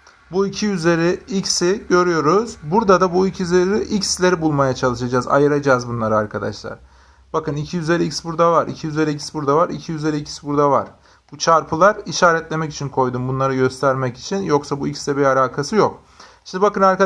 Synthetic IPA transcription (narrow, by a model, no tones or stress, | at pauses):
buicʰiyze̞ɾiicsiɟø̞ɾyjo̞ɾuzbuɾd̪ad̪abuicʰijyze̞ɾiiʔicslʲe̞ɾibulˠmajat͡ʃʰalˠɯʃad͡ʒaːza̰jɯɾad͡ʒaːzbunlˠaɾɯaɾkʰad̪a̰ʃlˠa̰ɾ̥ | b̥akɯnicʰijyzʲe̞ɾiicsbuɾd̪avaɾḭcʰijyzʲe̞ɾiicsbuɾd̪avaɾicʰijyzʲe̞ɾiicʰi̥sibuɾd̪ava̰ɾ̥ | b̥ut͡ʃʰaɾpʰɯlˠaɾiʃaːɾɛt̪lʲe̞mɛci̥t͡ʃʰinkʰo̞jd̪umbunlˠaɾɯɟø̞st̪ʰæɾmɛci̥t͡ʃʰinjo̞ksabuicsd̪ɛbialʲaːkʰasɯjo̞k | ʃind̪ibakɯnaɾka